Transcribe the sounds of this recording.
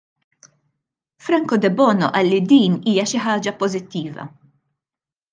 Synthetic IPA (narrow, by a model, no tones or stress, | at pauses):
fɾɐŋkɔd̪ɛbɔːnɔʔɐlːid̪iːniːjɐʃɪħɐːd͡ʒɐpɔzɪt̪ːiːvɐ̰